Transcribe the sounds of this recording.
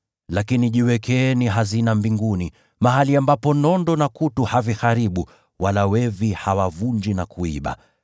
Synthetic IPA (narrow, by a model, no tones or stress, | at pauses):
lakiniʄiwɛkɛːniɦazinambiŋɡuni | maɦaliambapɔnɔndɔnakutuhavixaɾiɓu | walawɛvihawavund͡ʒinakuḭɓa̰